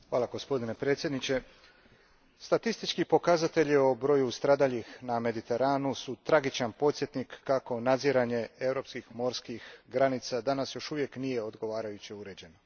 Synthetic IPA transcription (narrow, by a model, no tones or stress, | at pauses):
xʋaːlˠaɡo̞spo̞d̪ine̞pɾe̞ːt̪sjed̪nit͡ɕe̞ | st̪at̪ist̪it͡ʃkipo̞kazat̪e̞ʎio̞bɾo̞just̪ɾaːd̪aʎixname̞d̪it̪e̞ɾaːnusut̪ɾaɡit͡ʃanpo̞t̪sjet̪nikːako̞nad̪ziɾaɲe̞e̞vɾo̞ːpskixmo̞ɾskixɡɾanit̪sad̪anasjo̞ʃuʋje̞knije̞o̞d̪ɡo̞ʋaːɾajut͡ɕiuɾe̞d͡ʑe̞no